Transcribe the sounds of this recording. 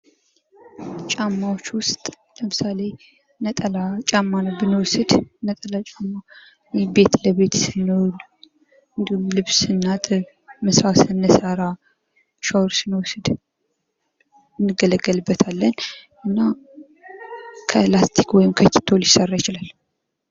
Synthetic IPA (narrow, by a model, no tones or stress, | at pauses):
t͡ʃʼamːawot͡ʃːwʊst̪ʼ | ləmɨsale̞ | nət̪ʼəlat͡ʃʼamːanobɨnwsɨd̪nət̪ʼəlat͡ʃʼamːa | jbe̞t̪ləβe̞t̪sɨnːol | ɨnd̪ihumlɨβsɨnːat̪ʼɨ | məsasɨnːəsaɾa | ʃawɾsɨnwɔsɨd̪ | ɨnːɨɡːələɡːəlɨbːət̪ʰalːən | ɨnːa | kʰəlast̪ʰikwɔjɪmkʰəkːi̥t̪ʰolisərːajɪt͡ʃɪlal